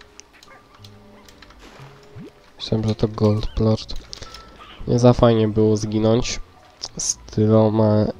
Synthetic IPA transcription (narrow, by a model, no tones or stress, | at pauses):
mɕɛmʐɛt̪ɔɡɔlt̪plɔɾt̪ | ɲʔɛ̰zafajɲɛbɘwɔzɡʲinɔɲt͡ɕ | st̪ʰɘvawma